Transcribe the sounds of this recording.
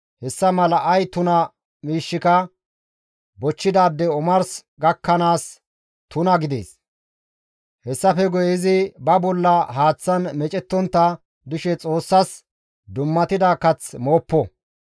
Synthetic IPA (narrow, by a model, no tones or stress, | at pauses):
hɛsːɐmɐlɐʔɐjt̪ʊnɐ | miːʃːɪkɐ | bɔt͡ʃːɪd̪aːd̪ːɛʊmɐɾsɡɐkːɐnaːs | t̪ʊnɐɡɪd̪ḛːs | hɛsːɐfɛɡɔjɪzɪbɐbɔlːɐɦaːt͡sːɐnmɛt͡ʃʼɛt̪ːɔnt̪ːɐ | d̪ʊʃɛt͡sʼo̞ːsːɐs | d̪ʊmːɐt̪ɪd̪aːkɐt͡smo̞ːpːɔ